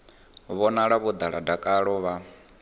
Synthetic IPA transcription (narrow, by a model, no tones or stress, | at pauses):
βɔnaɺaβud̪aɺadakʼaɺɔβa